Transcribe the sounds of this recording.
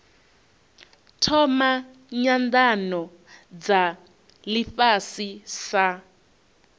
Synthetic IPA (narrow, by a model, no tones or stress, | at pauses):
tʰɔma | ɲandanɔ | d͡za | lifasisa